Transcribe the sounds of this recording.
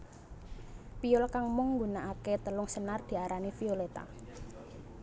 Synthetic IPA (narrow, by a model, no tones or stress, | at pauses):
piʊlkaŋmʊŋːɡunaʔaket̪əlʊŋsənard̪̥i̤aɾanifiolet̪a̰